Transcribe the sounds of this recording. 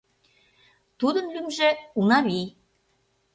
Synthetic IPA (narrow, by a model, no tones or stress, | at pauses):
t̪ud̪ə̆nlymʒĕunɑβi